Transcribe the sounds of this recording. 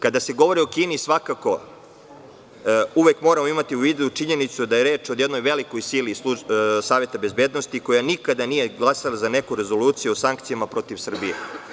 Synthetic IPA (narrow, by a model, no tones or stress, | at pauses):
kad̪ase̞ɡo̞ʋo̞ɾio̞kiːnisʋakako̞ | uʋekmo̞ːɾamo̞imat̪iuʋiːd̪ut͡ʃiɲe̞nit̪sud̪ajeɾe̞ːt͡ʃod̪je̞d̪no̞jʋe̞liko̞jsilisusaːʋet̪abe̞zbeːd̪nost̪iko̞janikad̪anijeɡlˠasalazane̞kuɾe̞zo̞luːt̪sijuosaŋk̚t̪sijamapɾo̞t̪iʋsr̩bijḛ